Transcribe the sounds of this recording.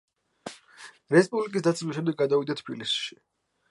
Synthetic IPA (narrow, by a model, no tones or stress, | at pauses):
ɾɛspʼublikʼis̬d̪at̪sɛmiʃɛmd̪ɛɡ̚ɡad̪avid̪at̪ʰbḭlisʃi̥